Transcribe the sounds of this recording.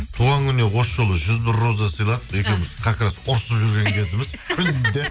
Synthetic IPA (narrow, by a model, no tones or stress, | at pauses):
t̪ʰuʁɑŋkʲʰʏne̞wo̞sʒo̞lˠəʒʏzbɪɾːo̞zɑsəjlˠɑt̪e̞kʲe̞wmɪzqʰɑkʲɾɑt̪ʊɾsəpʒʏɾɡʲe̞ŋkʲʰe̞zɪmɪzkʲʰʏnd̪ɪ